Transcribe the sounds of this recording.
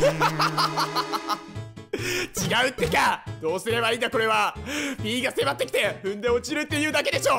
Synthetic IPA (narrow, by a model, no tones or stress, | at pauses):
t͡ɕiɡaɯ̟t̪ːe̞kad̪̥o̞ːsɨɾe̞βaĩːnd̪ako̞ɾe̞βapʲiːɡase̞mat̪ːekʲi̥t̪e̞ɸɯ̟̃nd̪e̞o̞t͡ɕiɾɯ̟t̪ːe̞jɯ̟ːd̪ake̞d̪e̞ɕo̞ː